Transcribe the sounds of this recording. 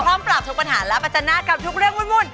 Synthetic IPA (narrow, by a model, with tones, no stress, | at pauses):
pʰɔː˥˩mpɾa˨˩p̚t̪ʰu˦˥kpa˧nɦaː˩˦lɛ˦˥pʰa˧t̪̚t͡ɕa˧naː˥˩ka˨˧p̚t̪ʰu˦˥k̚ɾɯ˥˩əŋmu˥˨nmu˧˩n